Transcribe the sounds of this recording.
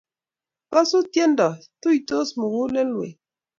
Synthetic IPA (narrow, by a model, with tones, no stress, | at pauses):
kɔ˦su˦tje˦n˦dɔ˨tu˦i˨to˦smu˨wu˦le˦lwḛ˨